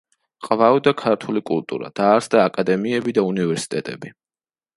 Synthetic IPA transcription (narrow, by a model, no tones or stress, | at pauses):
qʼvavd̪akʰaɾt̪ʰulikʼṵlˠt̪ʼṵɾa̰d̪̥aːɾsd̪aːkʼad̪ɛmiɛbid̪aunivɛɾsi̥t̪ʼɛt̪ʼɛ̰bi